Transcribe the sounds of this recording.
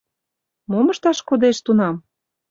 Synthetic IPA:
moməʃt̪ɑʃkod̪eʃt̪unɑm

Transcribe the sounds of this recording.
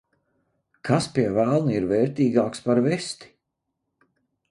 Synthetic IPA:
kʰaspiɛvælˠniɾvɛːɾt̪iːɡaːkspaɾvɛst̪i̥

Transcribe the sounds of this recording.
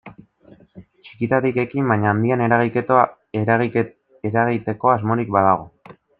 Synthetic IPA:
t͡ʃi̥kit̪at̪ike̞kimbajɲaːnd̪iane̞ɾaɣike̞t̪o | eɣ | eɾaɣ̞it̪e̞ko̞azmo̞ɾikbaðaɣ̞o

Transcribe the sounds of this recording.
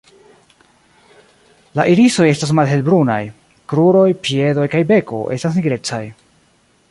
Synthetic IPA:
laʔiɾiso̞je̞stas̬malɦe̞lbɾuna̰j | kɾuɾo̞jpie̞do̞jkajbe̞ko̞̰ʔe̞̰stas̬niɡɾe̞t͡saj

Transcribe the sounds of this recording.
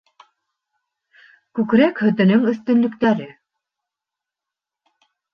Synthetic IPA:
kʉkɾækhɵ̆t̪ɵ̆nɵŋɵ̆θt̪ɵ̆nlɵ̆kt̪æɾɘ

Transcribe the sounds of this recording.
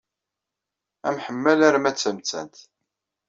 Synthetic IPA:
æ̰mħəmːælæɾmæt͡sːəmt͡sːæ̰nt̪

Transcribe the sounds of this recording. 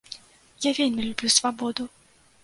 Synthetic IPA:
javʲelʲmʲilʲubʲlʲusvabɔd̪u

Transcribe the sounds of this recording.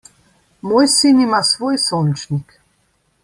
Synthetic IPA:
mojsinimasvojsɔnt͡ʃnik

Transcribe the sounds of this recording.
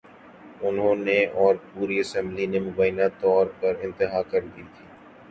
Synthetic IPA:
ʊnɦõːneɔːɾpuːɾiɐsɛ̃mblinemʊbaːjɪnat̪ɔːɾpɐɾɪ̃nt̪ɪɦaːkɐɾd̪iːt̪ʰiː

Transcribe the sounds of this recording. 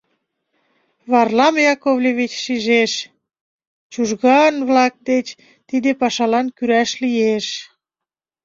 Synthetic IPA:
βɑrlɑmjɑkoβlʲeβit͡ɕʃiʒeʃ | t͡ɕuʒɣɑnβlɑk̚d̪et͡ɕ | t̪id̪epɑʃɑlɑnkyɾæʃlijeʃ

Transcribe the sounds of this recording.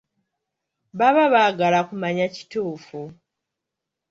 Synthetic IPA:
βaβaβaːɡalakumaɲaci̥tuːfu

